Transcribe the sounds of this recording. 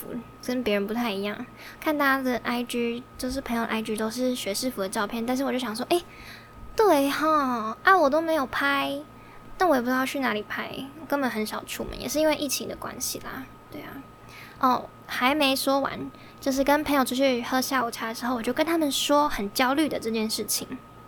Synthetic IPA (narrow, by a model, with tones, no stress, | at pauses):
fṵ˧˥ | kə˦˩npjɛ˧˥ɻə˧˥npu˧˥t̪ʰa˥˩ɪi˧˥jɑ̰˥˩ŋ | kʰa˥˧nt̪a˥˩t͡ɕa˥d̪ə˨ʔa˥ɪt͡ɕy˥t͡ɕjo˥˧ʊʂ̬ɻ̩ʰ˥˩˧ŋjʊə̰˧ʔa˥ɪy˥t̪o˥ʊʂ̬ɻ̩˥˩ɕɥɛ˧˥ʂɻ̩˥˩fu˧˥d̪ə˩ʈ͡ʂɑ˥˧ʊpʰjɛ˥˩nt̪a˥˧nʂɻ̩˥˩˨t͡ɕo˥˩ɕjɑ˨˩ŋ˩ʂ̬wɔ˥ʔe˥˩ɪ | t̪we˥˩ɪxɔ˥˩a˥˩wɔ˨˩t̪o˥ʊme˧˥ɪjo˨˩ʊpʰa˥ɪ | na˥˩nwjɛ˨˩pu˧˥ʂ̩˥jɑ˥˧t͡ɕʰy˥˩na˧˥li˨˩pʰa˥ɪɔ˨˩kə˥nbə˨˩nxə˧˥nʂɑ˨˩ʊʈ͡ʂʰṵ˥˩mə̰˨˦njɛ̰˨˩ʂɻ̩˥˩i˥nwe˥˧ɪʔi˥˩t͡ɕʰi˧˥ŋd̪ə˨kwa̰˥nɕḭ˨lɐ̰˩ | t̪we˥˩ɪɐ̰˨˩ | ʔɔ˥˩ | xa˧˥ɪme˧˥ɪʂwɔ˥wa̰˧˥n | t͡ɕjʊʂ̬ɻ̩˥˩kə˥npʰə˧˥ŋjʊʈ͡ʂʰu˥˩t͡ɕʰy˥˩xɤ˥ɕja˥˩u˨˩ʈ͡ʂʰja˥˩ə˨˩ʂɻ̩˧˥xo˥˩wɔ˨˩t͡ɕjo˥˩ʊkə˥nt̪ʰa˥mə˨nʂwɔ˥xə˨˩nt͡ɕjɑ˥ʊly˥˩d̪ə˩ʈ͡ʂɤ˥˧t͡ɕjɛ˥˧nʂɻ̩˥˩t͡ɕʰḭ˨˩˦ŋ